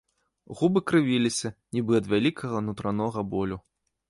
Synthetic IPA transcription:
ɣubɨkɾɨvʲilʲisʲɐnʲibɨɐd̪vʲalʲikʰɐɣɐnut̪ɾanɔɣɐbɔlʲu

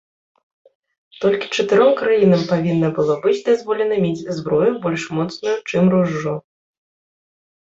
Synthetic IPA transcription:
t̪ɔlʲkʲi̥t͡ʂɐt̪ɨɾɔmkɾajinɐmpavʲinːɐbɨlˠɔbɨd͡zʲd̪azvɔlʲɛnɐmʲed͡zʲzbɾɔjubɔlʲʂmɔt̪snujut͡ʂɨmruʐːɔ

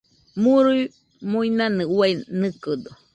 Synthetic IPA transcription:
muɾuj | mũinãnɨwainɨkɨd̪o

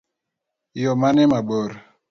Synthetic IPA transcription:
jɔmanɛmaɓɔɾ

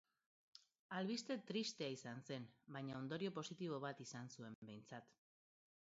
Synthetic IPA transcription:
alβist̪e̞t̪ɾist̪e̞aisanse̞nbajɲaond̪o̞ɾio̞po̞sit̪iβ̞o̞β̞at̪isansue̞mbe̞jnt͡sat̪

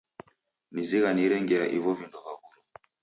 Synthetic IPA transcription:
niziɣaniɾɛŋɡɛɾaʔivɔvindɔvaɣulɔ

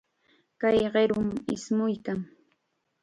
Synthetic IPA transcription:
kajɢeɾʊmɪ̰smʊjkaŋ

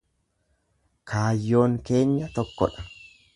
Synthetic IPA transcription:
kʰaːjːo̞ːŋke̞ːɲːɐt̪ɔkːɔᶑɐ̥

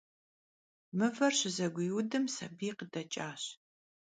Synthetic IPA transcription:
mɨvɐrɕɪzɐɡʷʊjudɨmsɐbiːqədɐt͡ʃʼaːɕ

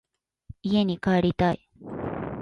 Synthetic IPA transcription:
ijenikaɽit̪aj

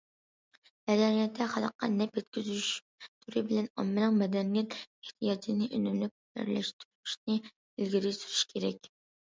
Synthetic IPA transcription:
mɛd̪ɛnijɛt̪ʰːɛχɑlˠəqːɑ̰nɛpjɛt̪kʲʰyzʃ | t̪ʰuɾɨbɪlɛnɑ̰mːɨnɨŋmɛd̪ɛnijɛt̪eht̪ʰijɑd͡ʒinɨʔønymlyp̚ | æ̰ɾlɛʃt̪ʰuɾuʃnɨ | ilɡʲiɾɪsyɾyʃkʲʰeɾɛkʲ

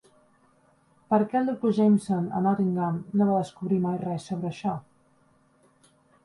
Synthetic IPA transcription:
pəɾkɛlˠd̪ɾukuʒejmsonə̰nɔt̪iŋɡamnoβaðəskuβɾimajrɛsːoβɾəːʃɔ

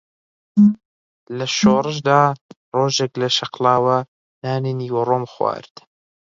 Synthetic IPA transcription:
lɐʃoːrˤɨʃ̬d̪aː | roːʒeklɐʃɐqlaːwɐ | naːniniːwɐroːmxwa̰ːɾd̪̥

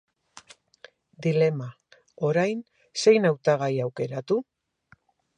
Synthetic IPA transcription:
d̪ile̞ma | o̞ɾajn | se̞jnawt̪aɣ̞ajawke̞ɾat̪u

